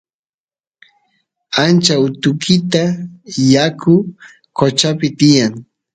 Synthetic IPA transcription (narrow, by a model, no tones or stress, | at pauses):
ant͡ʃaʊt̪ʊkʰɪt̪ajakʰʊ | kot͡ʃapɪt̪ɪjaŋ